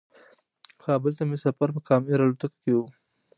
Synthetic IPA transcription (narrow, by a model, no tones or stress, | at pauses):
kɑːbɪlt̪amesafaɾpəkɑmiɾɑlot̪ako̥kewu